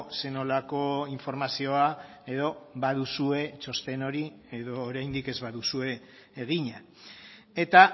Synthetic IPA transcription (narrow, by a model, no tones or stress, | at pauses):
se̞no̞lako̞iɱfo̞ɾmasio̞a | e̞ðo̞βað̞usue̞t͡ʃo̞st̪e̞no̞ɾi | e̞ðo̞ːɾajnd̪ike̞zβaðusue̞ː | ɣ̞iɲa | e̞t̪a